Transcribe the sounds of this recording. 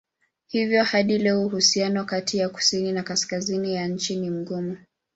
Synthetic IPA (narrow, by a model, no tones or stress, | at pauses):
hivjɔhaɗilɛuɦusianɔkatʰijaku̥sininakaskazinijaɲ̩t͡ʃinim̩ɡumu